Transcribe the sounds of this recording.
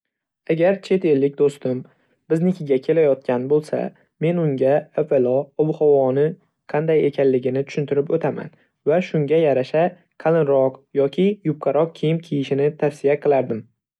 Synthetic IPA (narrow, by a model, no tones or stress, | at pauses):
aɡʲaɾt͡ʃʰe̞t̪e̞lːɪkʲd̪ost̪ɪm | b̥ɪznɪkʲɪɡʲakʲʰe̞lajɒt̪̚kʲanbolˠsa̰ | me̞nʊŋɡʲaefelɒɒbʊhɒwɒnɪ | qʰɑnd̪aje̞kʲʰanlɪɡʲɪnɪt̪ʰʊ̥ʃɪnt̪ʰɪɾɪpot̪ʰama̰n | vaʃʊŋɡʲajaɾaʃa | qʰɑlˠɪnɾɒqjɒkʲʰɪjʊp̚qʰɑɾɒq̚kʲʰejɪmkʲʰijɪʃɪnɪt̪ʰafsijaqʰɨlˠaɾd̪ɪm